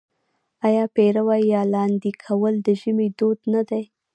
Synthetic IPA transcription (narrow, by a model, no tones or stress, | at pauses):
ɑjɑpeɾawajːɑlɑnd̪ikʰawəld̪əʒəmed̪od̪nad̪aj